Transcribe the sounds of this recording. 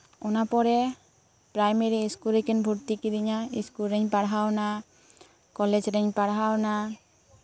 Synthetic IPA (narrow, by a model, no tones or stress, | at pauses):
ɔnapɔɾɛ | pɾajmeɾiːskulɾekɛnbʱuɾt̪ikid̪iɲaiskulɾɛɲpaɽɦawna | kɔled͡ʒɾɛɲpaɽɦawna